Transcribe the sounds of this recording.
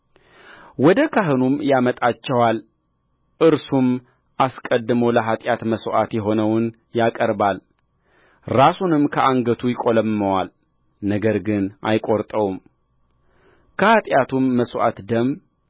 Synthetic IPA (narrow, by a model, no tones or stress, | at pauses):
wɔd̪əkʰaɦɨnumjamət̪ʼat͡ʃːɛwal | ʔɨɾsum | ʔaskʼəd̪ːɨməwləɦat̪ʼjat̪məsʔat̪jɛɦo̞nəwɨn | jakʼəɾbal | ɾasunɨmkʰəʔaŋɡət̪ʰujɪkʼoləmːəwal | nəɡəɾɡɨnʔa̰jkʼoɾt̪ʼəwum | kʰəhat̪ʼjat̪ʰumːəsʔa̰t̪d̪əm